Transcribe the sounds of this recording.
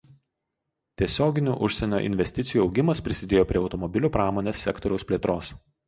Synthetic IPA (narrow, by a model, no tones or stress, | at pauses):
t̪ʲiɛsʲoːɡʲɪnʲṵʔʊʃʲsʲɛnʲo̰ːʔɪ̰nʲʋʲɛsʲt̪ʲɪt̪sʲɪjuːɒʊɡʲɪmɐspʲɾʲɪsʲɪd̪ʲeːjoːpʲɾʲiɛɒʊt̪ɔmɔbʲɪlʲuːpɾɑːmoːnʲeːsʲːɛkt̪ɔɾʲɛʊspʲlʲeːt̪ɾoːs